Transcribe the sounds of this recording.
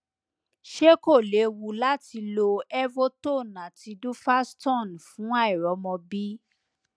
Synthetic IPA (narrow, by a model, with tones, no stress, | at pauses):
ʃe˦ko˦˨le˨˦wu˧la˦ti˧lo˧ɛ˦vo˦to˦˨nã˨ti˧du˦fa˦stɔ̃˦˨n˨fũ˨˦a˦i˨ɾɔ˨˦mɔ̃˧bi˦